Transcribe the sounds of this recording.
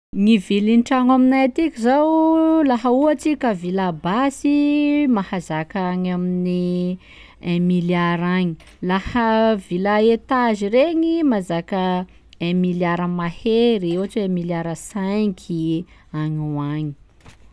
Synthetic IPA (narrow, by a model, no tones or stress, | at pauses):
ŋivilinʈ͡ʂaŋaminajat̪ikʲizawlaɦəuat͡sikʲəvilabasimahazakaɲamini | ɛmiljaɾaɲi̥ | lahəvilaet̪azireŋimazakə | ẽmiljaɾəmaheɾieat͡ʃeẽmiljaɾəsajkʲʰi | aɲuaɲi̥